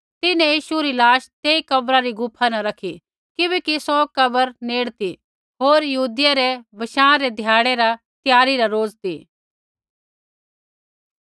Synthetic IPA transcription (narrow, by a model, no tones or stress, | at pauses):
t̪ɪnɛ̃jiːʃuɾilaːʃt̪eːikɐbɾaɾiɡʊpʰanɐɾɐkʰi | kɪbɛːkisɔkɐbəɾneːɽt̪i | ɦoːɾjɐɦuːd̪ɪjaɾeʋɐʃãːɾed̪ʱjaːɽ̃eɾa | t̪jaːɾiɾaɾoːzt̪iː